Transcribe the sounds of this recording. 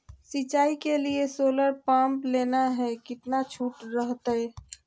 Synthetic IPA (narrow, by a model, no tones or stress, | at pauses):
sit͡ʃaːikeliesoːləɾpãːmpleːnaɦɛkɪt̪nat͡ʃʰuːʈɾəɦt̪ɛ